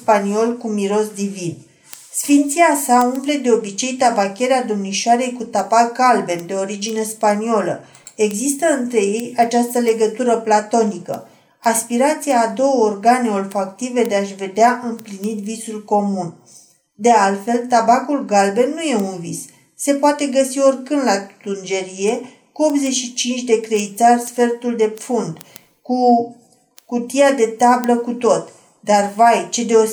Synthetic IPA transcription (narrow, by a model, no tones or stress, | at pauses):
panio̞lkumiɾo̞sd̪ivin | sfint̪siasaumple̞d̪e̞o̞bit͡ʃe̞jt̪abakʲe̞ɾead̪omniʃoaɾe̞jkut̪abak̚ɡalbe̞md̪e̞o̞ɾid͡ʒine̞spaniolə̰ | e̞ɡzist̪əɨnt̪ɾe̞je̞jat͡ʃast̪əle̞ɡət̪uɾəplat̪o̞nikə̰ | aspiɾat̪sijaːd̪o̞wəorɡaneo̞lfakt̪ive̞d̪e̞aʃve̞d̪eaʔɨmplinit̪visulko̞mun | d̪e̞alt̪fe̞lt̪abakulɡalbe̞nuje̞unvis | se̞poat̪e̞ɡəsio̞rkɨnd̪lat̪und͡ʒe̞ɾije̞ | kuo̞p̪̚ze̞ʃit͡ʃint͡ʃʲd̪e̞kɾe̞it̪sarsfe̞rt̪uld̪e̞pfund̪ | ku | kut̪iad̪e̞t̪abləkut̪o̞t̪ | d̪arvajt͡ʃe̞d̪e̞o̞